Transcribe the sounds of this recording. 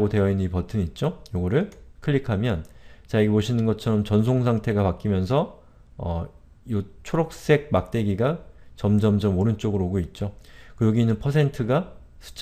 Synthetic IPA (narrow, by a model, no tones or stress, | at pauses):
ɡotwe̞jʌinːɯipʌtʰɯnit̚t͡ɕ͈ojoɡʌɾɯɭkʰɯʎːikʰamjʌnt͡ɕajeɡepoɕʰinɯnɡʌt͡ɕʰʌɾʌmt͡ɕʌns̬ʰoŋsʰaŋtʰe̞ɡapak͈imjʌnsʰʌ | ʌ | jot͡ɕʰoɾok̚s͈e̞ɡ̚mak̚t͈e̞ɡiɡat͡ɕʌmd͡ʑʌmd͡ʑʌmoɾɯnt͡ɕ͈oɡɯɾoɡoit̚t͡ɕ͈okɯjʌɡinɯnpʰʌsʰe̞ntʰɯɡa | sʰɯ̥t͡ɕ͈